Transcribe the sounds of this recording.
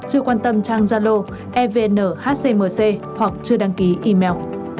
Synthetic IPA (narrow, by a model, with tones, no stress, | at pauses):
t͡ɕɨ˧əkwaː˧nt̪ə˧mt͡ɕaː˧ŋzaː˧lo˧ | ʔɛ˧ve˧nəː˧˩haː˦˥t̚se˧məː˨˩se˧ | hwa˨˩k̚t͡ɕɨ˧əɗa˧ŋki˨˦ʔi˧mɛ˧w